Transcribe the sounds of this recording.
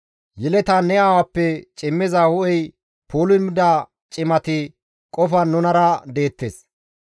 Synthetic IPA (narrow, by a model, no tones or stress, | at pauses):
jɛlɛt̪anɛjaːwɐpːɛt͡ʃʼɪmːɪzahʊʔɛj | pʰoːlʊmɪd̪aː | t͡ʃʼɪmɐt̪ɪ | kʼɔfɐnːʊnɐɾɐd̪e̞ːt̪ːeːs